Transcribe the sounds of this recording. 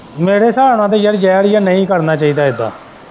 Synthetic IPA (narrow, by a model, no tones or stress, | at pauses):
meːɾeːsaːɾɽãːt̪̬eːjəɾd͡ʒɛːɾjaːnəĩːkəɾnaːt͡ʃaːiːd̪aːɪd̪a̰ː